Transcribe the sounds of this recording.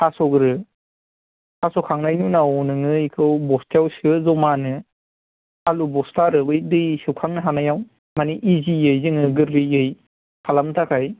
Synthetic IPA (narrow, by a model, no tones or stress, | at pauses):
asɔɡɾɯ | asɔkʰaŋnajnunawnɯŋɯjkʰɯwbɔstjawsɯzɔmanɯ | alubɔstaɾɯbɯjdɯjsɯwkʰaŋnɯɦanajaw | maniʔizijɯjzɯŋɯɡɯɾlijɯj | pʰalamtʰakʰaj